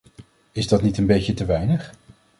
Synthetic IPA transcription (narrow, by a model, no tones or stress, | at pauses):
ɪzdɑtnitənbejcətəʋɛjnəχ